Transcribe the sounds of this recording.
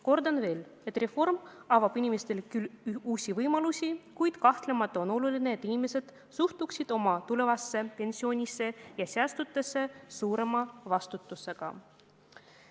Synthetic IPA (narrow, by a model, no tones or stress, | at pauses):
ko̞rd̪ɑnve̞ːle̞t̪ːˑre̞fo̞rmɑvɑb̥inʲime̞st̪e̞lkyluːsʲivɤjmɑlusʲikujd̪̥kɑht̪le̞mɑt̪ˑːɑo̞no̞lulineet̪ːˑinʲime̞se̞d̪̥ | suht̪uksid̪̥o̞mɑt̪ule̞vɑsːe̞pe̞nʲsio̞ːnʲisːe̞jɑseæst̪ut̪ːˑe̞sːe̞suːɾe̞mɑvɑst̪ut̪ːˑuse̞ɡ̥ɑ̰